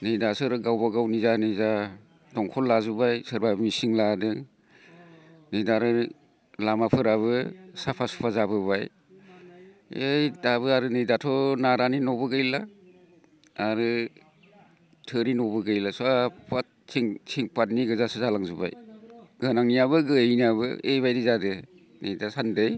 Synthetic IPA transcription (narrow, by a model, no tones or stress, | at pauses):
nɯjdasɯɾɯɡawbaɡawnizanɯza | tɔŋkʰɔlːazubajsɯɾbamisiŋladɯ | nɯjdaɾɯ | lamapʰɯɾaβɯsapʰasu̥pʰazaβɯβaj | ejdaβɯaɾɯnɯjdatʰɔnaɾaninɔbɯɡɯjla | aɾɯ | tʰɯɾinɔbɯɡɯjlasapat̚ː | iŋsʰiŋpat̚niɡɯzasɯzalaŋzuba̰jɡɯnaŋnijaβɯɡɯejniaβɯ̰ejβajdizadɯ | nɯjdasandɯj